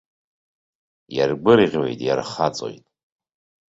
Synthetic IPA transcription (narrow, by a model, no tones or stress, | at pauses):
jarɡʷɨrʁʲwḛjtʼjarχat͡sʼo̞̰jtʼ